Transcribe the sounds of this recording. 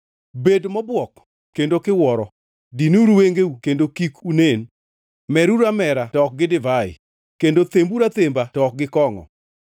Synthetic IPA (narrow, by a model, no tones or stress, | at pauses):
bedmɔbwɔk | kːendokɪwɔɾɔ | dinuɾuweŋɡeukendokikunen | mɛɾuɾamɛɾatɔk̚ɡɪdɪvaɪ̰ | kendot̪embuɾat̪embatɔk̚ɡɪkɔŋɔ̰